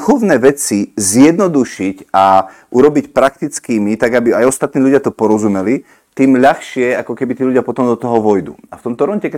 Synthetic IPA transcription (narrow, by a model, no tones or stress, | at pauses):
xɔʊnɛːʋɛt͡sizjɛd̪nɔd̪uʃicaʔuɾɔbicpɾak̚t̪it͡skiːmit̪aɡabiajɔst̪at̪niːʎuɟɪat̪ɔpɔɾɔzumɛli | t̪iːmʎaxʃɪɛakɔkɛbit̪iːʎuɟɪapɔt̪ɔmd̪ɔt̪ɔɦɔʋɔjd̪ṵːaft̪ɔmt̪ɔɾɔncɛkɛ